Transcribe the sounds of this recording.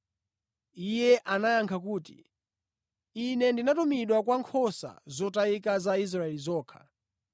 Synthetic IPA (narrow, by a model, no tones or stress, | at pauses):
ijɛʔanajaŋkʰakuːtḭ | inɛndinatumiɗwakwaŋkʰɔsa̰zɔtaikazais̬ɾaɛlizɔːkʰḁ̰